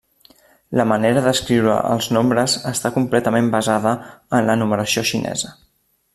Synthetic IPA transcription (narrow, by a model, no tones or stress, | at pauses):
ləməneɾəðəskɾiwɾə̰ʔə̰lˠznombɾəzəst̪akumplɛt̪əmembəzaðəənlənuməɾəsioʃinʔɛ̰zə